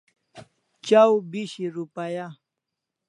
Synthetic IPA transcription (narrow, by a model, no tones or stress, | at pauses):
t͡ʃawbɪʃɪɾʊpaja